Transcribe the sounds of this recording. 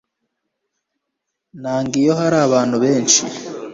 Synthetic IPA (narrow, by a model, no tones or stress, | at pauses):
naːŋɡijoɦaɾaːβaːnhuβe̞ːnʃḭ